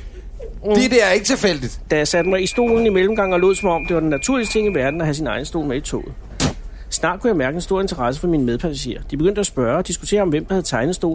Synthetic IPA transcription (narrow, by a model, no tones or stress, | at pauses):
ed̥eæɐeɡət͡sʰefel̰d̥id̥d̥æjasæd̥mɑ̈ɪisd̥o̝̰ːln̩imelm̩ɡ̥ɑ̈ŋ̰ɒ̽lo̝ːð̰ˠsɒ̽mɒ̽md̥e̝ʋɑd̥enːæt͡sʰuɐlist͡sʰe̝ŋ̰iʋæɐd̥n̩æɦæs̬inɑ̈ɪn̩əsd̥o̝̰ːlmeit͡sʰo̰ːð̩ˠ | snɑ̰̈ːd̥̚kʰujɑ̈ɪmæɐɡ̥əensd̥o̝ɐ̰e̝nt͡sʰɐʁɑ̈s̬əfɒ̽minəmeðˠpʰæsæɕe̝̰ːɐd̥ibeɡ̥øn̰d̥əæsb̥ɶɐɒd̥isɡ̥u̥t͡sʰe̝̰ːɐɒ̽mʋem̰d̥ɑhæðˠt͡sʰɑ̈ɪnð̩ˠsd̥o̝̰ː